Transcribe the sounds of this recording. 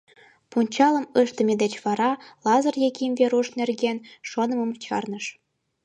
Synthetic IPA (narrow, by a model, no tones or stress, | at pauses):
punʲt͡ɕɑlə̆mɤʃt̪ə̆mʲed̪et͡ɕβɑɾɑlɑzɤ̆rjekʲimvʲeɾuʃnerɣenʃonə̆mɤ̆mt͡ɕɑ̰rnɤ̆ʃ